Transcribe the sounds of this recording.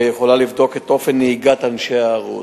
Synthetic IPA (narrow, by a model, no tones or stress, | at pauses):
jeχo̞lalivdo̞ket̪o̞fe̞nːehiɡat̪anʃeaːʁṵ